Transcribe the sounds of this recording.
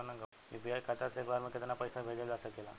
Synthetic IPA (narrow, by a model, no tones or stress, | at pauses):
anaŋɡə | mibijajkʰat̪at͡sekbaɾməket̪anːapəjsabʱed͡zelasəkela̰